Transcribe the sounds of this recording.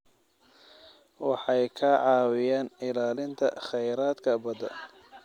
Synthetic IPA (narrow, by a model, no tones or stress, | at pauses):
wɑħɑjkʰɐʕɑːwɪjaːnɪlaːlɪnt̪ʰɐ̰χɛjɾaːd̪kʰɐbɐd̪ɐ̰